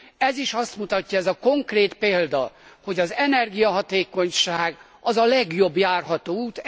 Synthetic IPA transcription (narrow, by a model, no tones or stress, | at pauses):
ɛziʃɒst̪mut̪ɒcːɒɛzɒko̞ŋkreːt̪peːld̪ɒho̞ɟɒzɛnɛrɡijɒɦɒt̪eːko̞ɲʃaːɡ | ɒzɒlɛɡjo̞bjaːrɦɒt̪oːuːt̪